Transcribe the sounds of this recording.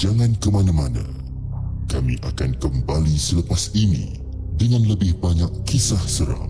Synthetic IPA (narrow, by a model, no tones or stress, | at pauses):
d͡ʒaŋãnkəmãnãmanã̰ | kamḭ̃ʔakankəmbalisələpasinḭ̃ | dəŋãnləbɪhbaɲakːisahsəɾa̰ŋ